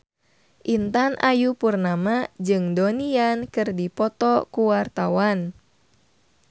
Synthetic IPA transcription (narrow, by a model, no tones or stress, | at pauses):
ʔint̪anʔajupurnamad͡ʒɨŋdoniankɨrdipɔt̪ɔkuwart̪awan